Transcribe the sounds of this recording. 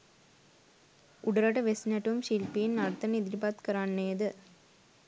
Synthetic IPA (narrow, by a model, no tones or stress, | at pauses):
ʔuɽɐɾɐʈɐʋesnɐʈumʃilpijinːɐɾt̪ɐnid̪ɪɾbaːt̪kɐɾaːnːeːd̪ɯ